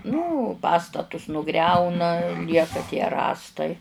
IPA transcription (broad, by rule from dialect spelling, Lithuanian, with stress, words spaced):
nʊ ˈpɑːstɐtʊs nʊˈɡrʲɛʊnɐ ˈlʲiɛkɐ tʲiɛ ˈrɑːstɐɪ